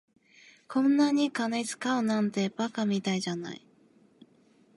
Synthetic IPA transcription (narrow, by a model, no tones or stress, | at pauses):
kʰõ̞nːaɲ̟ikanet͡sɨ̥kaonãnt̪e̞bakamʲit̪aiʑana̰i